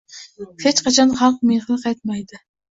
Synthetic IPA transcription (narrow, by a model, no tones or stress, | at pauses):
hʰet͡ʃqʰɑt͡ʃʰɑnχɑlˠq̚meχɨlˠqʰɑjt̪̚mɑjd̪ɨ